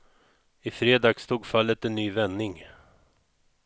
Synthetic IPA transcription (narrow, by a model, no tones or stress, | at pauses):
ɪfɾeːd̪ɑːɡst̪uːɡfalːət̪ɛnːyːvɛnːɪŋ